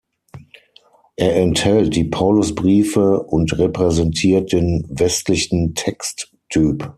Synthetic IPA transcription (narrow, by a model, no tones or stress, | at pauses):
ʔeːɐɛnthɛlt̚d̥iːpʰaʊlʊsb̥ʁiːfəʔʊntʁepʁ̥ɛzɛntʰiːɐt̚d̥eːnvɛstlɪçn̩tʰɛkstːʰ | yːp